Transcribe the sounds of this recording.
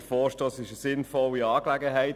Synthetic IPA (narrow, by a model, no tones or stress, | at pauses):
əfɔːʃtoːsɪʃəsɪnfɔliɑːklæɡəɦæɪt